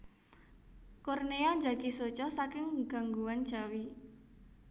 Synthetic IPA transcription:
kɔrneaɲd͡ʒaɡ̥isot͡ʃɔsakɪŋɡ̥a̤ŋɡuwand̥ʒ̥a̤wi

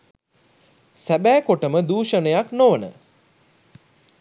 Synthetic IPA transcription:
sæbæːkoʈəməd̪uːʃənəjaknoʋənə̰

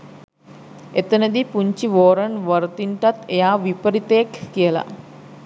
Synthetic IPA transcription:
et̪ənəd̪ipuɲt͡ʃiʋoːɾənʋəɾt̪iɳʈat̪ejaːʋipəɾit̪əjekːijəla̰

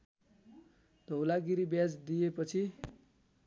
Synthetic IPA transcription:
d̪̥ʱʌwlaɡiɾibjad͡zd̪ijepʌt͡sʰi

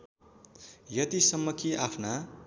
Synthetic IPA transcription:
jʌt̪isʌmːʌkiʔapʰna

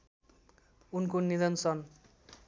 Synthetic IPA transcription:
unkonid̪ʌnsʌn

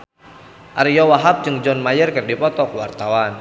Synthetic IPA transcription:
ʔaɾijɔwaɦap̚d͡ʒɨŋd͡ʒɔnmajərkɨrdipɔt̪ɔkwa̰rt̪awan

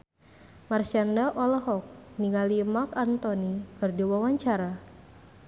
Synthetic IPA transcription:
marʃandaʔɔlɔɦɔk̚niŋalimakant̪ɔnikɨrdiwawaɲt͡ʃaɾa

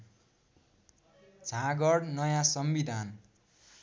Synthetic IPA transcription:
d͡zʱãɡʌɽnʌjãsʌmbid̪ʱan

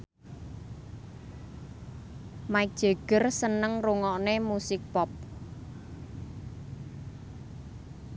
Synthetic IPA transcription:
maɪk̚d̥ʒ̥e̤ɡ̥ə̤rsənəŋruŋɔnemusɪk̚pɔp̚

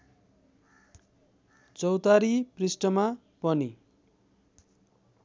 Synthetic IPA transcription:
t͡sʌwt̪aɾiprisʈʌma | pʌni

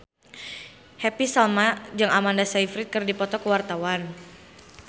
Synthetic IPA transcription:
hɛpisalmad͡ʒəŋʔamandasaifɾit̪̚kɨrdipɔt̪ɔkəwart̪awan

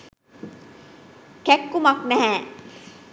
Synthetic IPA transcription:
kɛkːumak̚mɛɦɛ̃

